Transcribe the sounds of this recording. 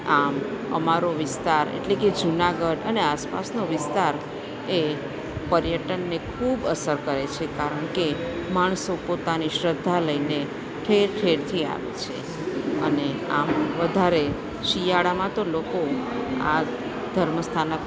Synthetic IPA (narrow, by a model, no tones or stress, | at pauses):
amə̰maɾoʋɪst̪aɾḛʈleked͡ʒunaɡəɖəneaspa̰snoʋɪst̪aɾ | e | pəɾjəʈənːekʰubəsəɾkəɾet͡ʃʰekaɾəɳkemaɳ̃sopot̪aniʃɾəd̪ʱːaləine | ʈʰeɾʈʰeɽt̪ʰia̰ʋḛt͡ʃʰe | ə̰neamʋəd̪ʱaɾe | ʃijaɽamãt̪olokoa̰ | d̪ʱəɾməst̪ʰanə